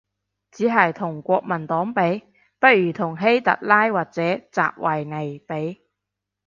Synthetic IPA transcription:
t͡siː˨˥ɦɐ˨jt̪ʰʊ˨˩ŋkʷɔː˧k̚mɐ˨˩nt̪ɔː˨˥ŋpe˨˥j | pɐ˥t̚jyː˨˩t̪ʰʊ˨˩ŋɦe˥jt̪ɐ̰˨t̚laː˥jwaː˨˩k̚t͡sɛː˨˥t͡sa̰ː˨p̚wʔɐ˨jne˨˩jpe˨˥j

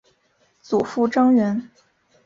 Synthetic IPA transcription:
t͡su˨˩fu˥˩ʈ͡ʂɑ˥ŋɻə˧˥n

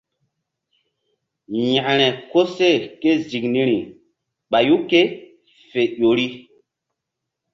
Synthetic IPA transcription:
ja˨ʔɾ̃ɛ˨ko˦se˦˨ke˦zi˨kni˦ɾi˨ | ɓa˨ju˦ke˦ | fe˨ɗo˨ɾi˦

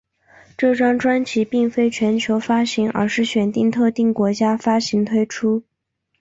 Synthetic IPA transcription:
ʈ͡ʂɤ˥˩ʈ͡ʂɑ˥ŋʈ͡ʂwa˥nt͡ɕʰi˧˥pi˥˩ŋfe˥ɪt͡ɕʰɥɛ˧˥nt͡ɕʰjo˧˥ʊfa˥ɕi˧˥ŋə̰˞˧˥ʂɻ̩˥˩ɕɥɛ˨˩nt̪i˥˧ŋt̪ʰɤ˥˧t̪i˥˩ŋkwɔ˧˥t͡ɕja˥fa˥ɕi˧˥ŋt̪ʰwe˥ɪʈ͡ʂʰu˥

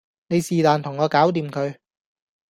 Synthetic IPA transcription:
ne˨˧jsiː˨t̪aː˨nt̪ʰʊ˨˩ŋɔː˨˧kaː˨˥wt̪̬iː˧mkʰɵ˨˧ɥ

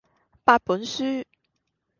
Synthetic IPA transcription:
pa˥˩pə˨˦nsy˥

